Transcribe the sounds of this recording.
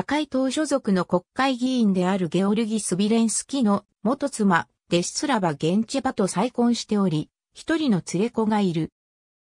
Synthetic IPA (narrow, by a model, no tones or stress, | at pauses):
t̪akait̪o̞ːɕo̞zo̞kɯ̟no̞ko̞kːaiɡʲĩːnd̪e̞aɾɯ̟ɡe̞o̞ɾɯ̟ɡʲisɨbʲiɾẽ̞ɰ̃sɨ̥kʲino̞ | mo̞t̪o̞t͡sɨma | d̪̥e̞ɕi̥t͡sɨɾabaɡẽ̞ɲ̟t͡ɕibat̪o̞saikõ̞ɰ̃ɕi̥t̪e̞o̞ɾʲi | çi̥t̪o̞ɾʲino̞t͡sɨɾe̞ko̞ɡaiɾɯ̟